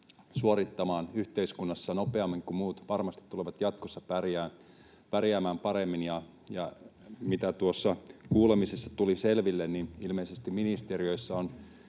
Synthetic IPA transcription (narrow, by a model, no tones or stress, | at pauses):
suoɾit̪ːɑmɑːnyht̪eiskunːɑsːɑnopeɑmːiŋkummuːt̪ʋɑrmɑst̪i̥t̪ːuleʋɑt̪jɑt̪̚kosːɑpærjæːn | pærjæːmæːmpɑɾemːinjɑ | jɑmit̪æt̪uosːɑkuːlemisesːɑt̪uliselʋilːenninilmeisest̪iminist̪eɾiø̞isːæon